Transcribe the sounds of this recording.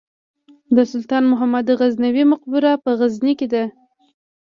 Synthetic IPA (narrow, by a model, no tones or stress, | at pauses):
d̪əsʊlt̪ɑnmʊɦamad̪əɣaznawimʊq̚bʊɾapəɣazniked̪a